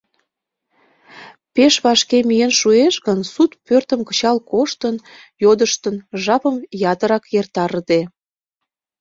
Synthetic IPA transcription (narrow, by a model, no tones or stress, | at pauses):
peʃβɑʃkemijenʃueʃɣənsut̪pørt̪əmkə̥t͡ɕɑlkoʃt̪ən | jod̪əʃt̪ənʒɑpəmjɑt̪əɾɑkjert̪ɑɾəd̪e